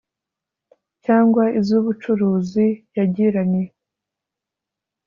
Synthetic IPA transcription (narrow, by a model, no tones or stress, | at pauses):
caːŋɡwaizuːβut͡ʃuɾuːzijaɟiɾaɲe